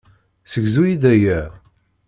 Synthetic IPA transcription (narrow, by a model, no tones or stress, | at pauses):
səɡzujiðæjæ